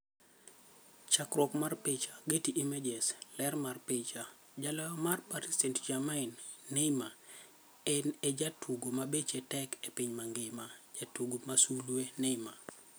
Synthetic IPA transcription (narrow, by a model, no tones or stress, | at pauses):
t͡ʃakɾɔkmarpɪt͡ʃaɡetiʔimed͡ʒɛslɛrmarpɪt͡ʃa | d͡ʒalamarpatistɛntd͡ʒamaɪnː | ɛma | ɛnɛd͡ʒatʰuɡomabet͡ʃetɛkepɪɲmaŋɡɪmad͡ʒatuɡomasulwenɛma